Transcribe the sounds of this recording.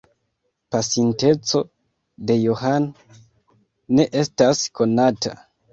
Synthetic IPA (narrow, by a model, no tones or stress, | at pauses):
pasinte̞t͡so̞ | de̞joɦan | e̞ʔe̞stasko̞nata̰